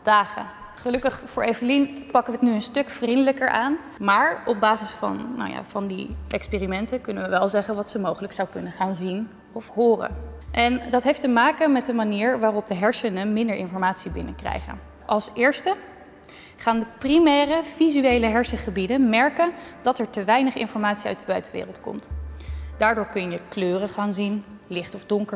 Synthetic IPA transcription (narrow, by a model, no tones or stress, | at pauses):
d̥aːχə̰ | χəlɵkəχfʊːɹʔejvəlinpɑkəʋəətnyənstɵkfrindələkəɹʔaːn | maːɹɔb̚baːzɪsfɑ̰nːa̰wja̰ːvɑndiʔɛkspeːrimɛntəkɵnəʋəʋɛlˠzɛχənʋɑtsəmowχələksawkɵnəχaːnzin | ɔfɦʊːrə̰nʔɛndɑtɦejftəmaːkəmɛt̚dəmaniːɹʋaːrɔp̚dəɦɛɹsənəmɪndəɹʔɪnfɔɹmaːtsibɪnəkrɛ̰jχə̰n | ʔɑlˠsɪːɹstə | χaːndəprimɛːrəvizyejləɦɛɹsəχəbidənmɛɹkəndɑtɛɹtəʋɛjnəχɪ̰nfɔɹmaːtsiœ̰ɥt̚dəbœ̰ɥtənʋɪ̰ːrəlˠtkɔ̰mtdaːɹdʊːɹkɵnjəkløːrəχaːnzin | lɪχtɔvdɔŋkə